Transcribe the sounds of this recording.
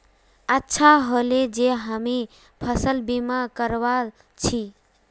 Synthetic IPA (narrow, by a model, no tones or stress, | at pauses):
ətːʃʰaɦoled͡ʒeɦəmi | pʰəsəlbimakəɾwa | t͡ʃʰi